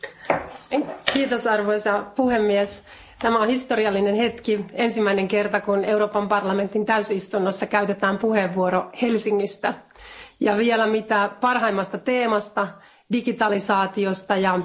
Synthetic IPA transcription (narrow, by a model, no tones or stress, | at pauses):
kiːt̪osɑrʋojsɑpuhe̞mːies | t̪æmæonhist̪o̞ɾiɑlːinenhe̞t̪kie̞nsimːæineŋke̞rt̪ɑkune̞uɾo̞ːpɑmpɑrlɑme̞nt̪ːint̪æysist̪unːosːɑkæyt̪et̪æːmpuheʋːuoɾohe̞lsiŋːist̪æ | jɑʋielæmit̪æpɑrɦɑimːɑst̪ɑt̪e̞ːmɑst̪ɑ | diɡit̪ɑlisɑːt̪iost̪ɑjɑ